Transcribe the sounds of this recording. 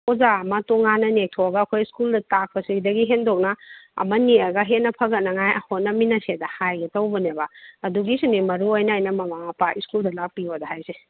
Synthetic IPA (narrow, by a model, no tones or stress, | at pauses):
ozamɐtoŋanɐnek̚tʰoɐɡɐːkʰojskuldɐtak̚pɐsiɡidɐɡiɦendok̚nɐɐ̰mɐniɐɡɐɦenːɐpʰɐɡɐt̚nɐŋajɐhot̚nɐminɐsedɐhajɡɐtɐwbɐnebaɐduɡisinimɐɾuojnɐajnɐmɐmapʰaʔiskuldɐlak̚piodɐɦajse